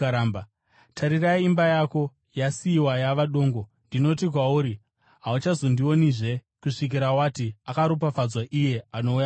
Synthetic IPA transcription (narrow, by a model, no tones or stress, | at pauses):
ɾaːmba | tʰaɾiraiːmbajako̞ | jasiːwajaʋaɗo̞ːŋɡo̞ | ndino̞tik̬wauːɾi | ɦaut͡ʃazo̞ndiwo̞niʐe̞ | kuʂik̬iɾawatiakaɾup̬afad͡zwaʔije̞ano̞uja